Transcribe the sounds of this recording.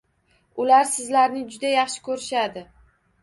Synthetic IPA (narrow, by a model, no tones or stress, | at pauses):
ʊlaɾsɪzlaɾnɪd͡ʒʊd̪ajɑχʃɪ̥kʰɵɾɪʃad̪ɪ